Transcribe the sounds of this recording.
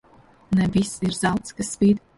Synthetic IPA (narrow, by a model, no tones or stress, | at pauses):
navisirzalˠt̪skaspiːd̪